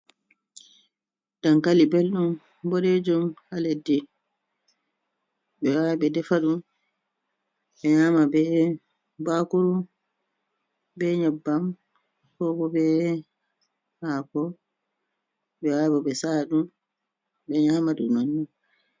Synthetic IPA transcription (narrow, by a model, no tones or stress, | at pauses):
d̥ankalibelɗum | boɗed͡ʒumhaledːi | ɓɛwaɓɛdɛfaɗum | ɓɛɲaːmabɛ | bakuɾu | bɛɲɛbːam | kɔbɔbɛ | haːkɔ | ɓɛwabɔɓɛsaɗum | ɓɛɲaːmaɗṵnɔnːu